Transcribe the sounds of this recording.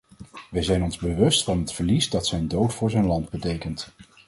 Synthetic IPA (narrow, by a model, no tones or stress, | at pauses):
ʋəjzɛjnɔnzbəʋɵstfɑnɦətfəɹlisdɑtsɛjndowtfʊːɹzɛjnlɑndbətejkənt